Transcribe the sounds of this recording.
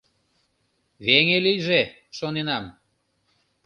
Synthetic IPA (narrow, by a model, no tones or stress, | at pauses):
βeŋelijʒe | ʃonenɑm